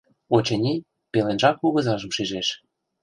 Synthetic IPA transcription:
ot͡ɕĕnʲi | pelenʒɑkuɣɤ̆zɑʒə̆mʃiʒeʃ

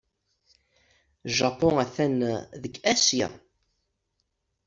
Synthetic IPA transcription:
ʒɑpɔæθænðəkːæsja̰

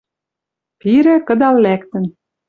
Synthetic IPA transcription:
piɾɘ̆kɤ̆d̪ɑllækt̪ə̆n

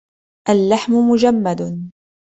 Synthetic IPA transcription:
ʔalːaħmʊmʊd͡ʒamːad̪

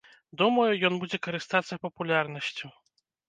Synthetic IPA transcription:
d̪umɐjujɔnbud͡zʲɛkɐɾɨst̪at̪sːɐpɐpulʲarnɐsʲt͡sʲu

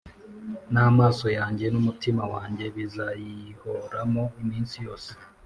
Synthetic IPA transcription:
naːmaːso̞jaːɲɟe̞numutimawaːɲɟe̞βizajihoɾamoimiːnsijo̞ːse̥

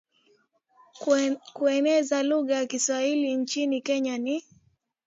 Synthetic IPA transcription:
kuɛnɛzaluɣajakiswahiliɲt͡ʃinikɛɲani

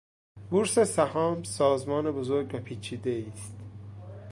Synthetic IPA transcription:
buɾsesæhɒːmsɒːzmɒːnebozoɾɡvæpʰiːt͡ʃʰiːd̪eiːst̪

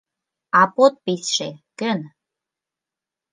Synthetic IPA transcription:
ɑpot̪̚pitʃekən

